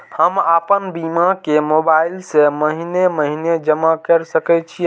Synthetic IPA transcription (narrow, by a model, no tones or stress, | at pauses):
həmapənbimakemobailseməɦineməɦined͡ʒəmakəɾsəkɛt͡ʃʰi